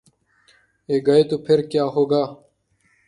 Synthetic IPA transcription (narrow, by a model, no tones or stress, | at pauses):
eːɡɐet̪upʰeɾkjaːɦoːɡaː